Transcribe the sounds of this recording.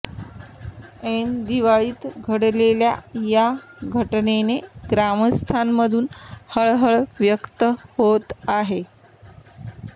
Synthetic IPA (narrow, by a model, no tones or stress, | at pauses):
end̪iʋaɭiːt̪ɡʱəɽlelja̰jaɡʱəʈneneɡɾaməst̪ʰanməd̪ʱuːnhəɭɦəɭʋjəkt̪əhot̪aɦe